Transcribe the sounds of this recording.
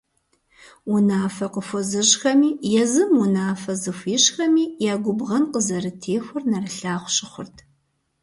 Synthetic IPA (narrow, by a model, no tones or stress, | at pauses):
unaːfɐqəfʷɔzɨxɐmiːjɛzɨmunaːfɐzɨfʷiːɕxɐmiːjaːɡʷʊbʁɐnqəzɐɾɨtʰeːxʷʊrnɐrɨɬaːχʷʊɕɪχʷʊ̰rtʰ